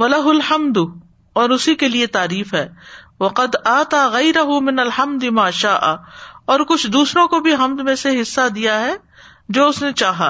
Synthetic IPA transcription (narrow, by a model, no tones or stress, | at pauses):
wɐlɐɦʊlħɐmd̪ | ɔːɾʊsikeliet̪aːɾiːfɦɛː | ʋɐqɐd̪aːt̪aːɣɐjɾɐɦʊmɪnɐlħɐmd̪ɪmaːʃaːʔaɔːɾkʊt͡ʃʰd̪uːsɾõkobʱiɦɐmd̪mẽseɦɪsːad̪ijaɦɛ | d͡ʒoːʊsnet͡ʃaːɦaː